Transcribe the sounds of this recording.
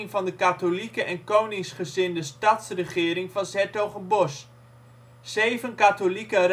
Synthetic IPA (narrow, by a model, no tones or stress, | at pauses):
ŋvɑndəkatolikəʔɛnkownɪŋsχəzɪndəstɑtsrəχɪːɾɪŋvɑnsɛtowχənbɔs | zejvənkaːtolikər